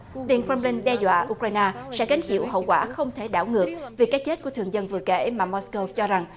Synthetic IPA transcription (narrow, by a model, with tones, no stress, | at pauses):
ɗḭ˨˧˩ənkɾə˧mlï˧ŋɗɛ˧zwa̰ː˧˨ʔu˧k̚waː˧jnaː˧sɛ̰˧˥ɣa˨˦jŋ̟t͡ɕḭ˧˨əwɦə̰˧˨wkwaː˧˩xə˧wŋ͡mt̪ʰe˧˩ɗa̰ː˧˩wŋɨ˨˩ək̚vi˨˩kaː˦˥jt͡ɕe˦˥t̚ku˧˩ət̪ɨ˨˩əŋzə˧nvɨ̰˨˧əkḛ˧˩˥maː˨˩mɔ˦˥sko˧t͡ɕɔ˧za˨˩ŋ